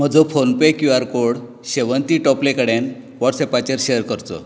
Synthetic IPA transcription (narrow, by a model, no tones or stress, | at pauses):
m̤əd͡zɔfonpekjuaɾkoɽ | ɕeʋənt̪iʈɔplekəɽen | ʋɔʈsepat͡ɕeɾɕeəɾkəɾt̪ɔ̰